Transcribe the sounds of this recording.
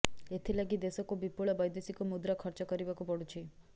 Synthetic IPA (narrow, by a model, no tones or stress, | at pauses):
et̪ʰilaɡid̪esɔkubipuɭabɔjd̪esikumud̪ɾakʰɔɾt͡ʃɔkɔɾibakupɔɽut͡ʃʰi